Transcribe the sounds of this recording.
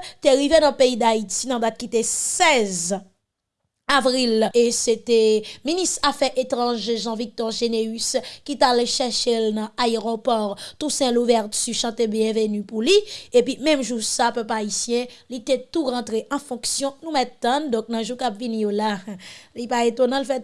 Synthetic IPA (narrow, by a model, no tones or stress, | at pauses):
t̪eʁivenãpeid̪ait̪inɐ̃d̪at̪̚kit̪esɛz | avʁileset̪ɛminist̪ʁafɛʁʔet̪ʁɑ̃ʒeʒɑ̃vik̚t̪ɔʁʒeneyskit̪alʃɛʁʃelnɐ̃aeʁopɔʁt̪usɛ̃luvɛʁtyʃɑ̃t̪ebjɛ̃vənypuliepɥimɛ̃mʒusapœplaisjɛ̃lit̪ɛt̪uʁɑ̃t̪ʁeʔɑ̃fɔ̃ksjɔ̃nũmɛt̪tːãnd̪ɔ̃k̚nãʒukapvinijolalipaet̪onɑ̃lfɛt